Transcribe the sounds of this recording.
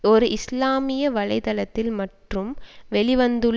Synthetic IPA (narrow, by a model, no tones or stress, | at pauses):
ɔɾɯʔɪslaːmɪjɐʋɐɭɐɪt̪ɐlɐt̪ːɪlmɐʈrɯmʋɛɭɪʋɐnd̪ɯɭ